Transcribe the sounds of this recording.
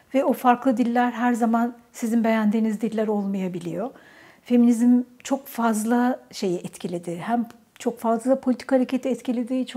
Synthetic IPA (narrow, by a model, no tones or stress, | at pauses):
vɛofaɾklˠɯd̪ilʲːæɾɦæɾzamansizinbe̞jænd̪iːnizd̪ilʲːæɾo̞lˠmajabilʲḭjo̞ | fe̞minizimt͡ʃʰo̞kfazlˠaʃe̞jiɛt̪cʰilʲed̪ihæm | t͡ʃʰo̞kfazllˠapʰolʲit̪ʰi̥khaɾecʰet̪ʰiɛt̪cʰilʲed̪iːt͡ʃʰ